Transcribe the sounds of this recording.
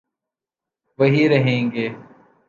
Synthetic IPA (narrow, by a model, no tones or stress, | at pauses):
ʋəɦiːɾəɦẽːɡeː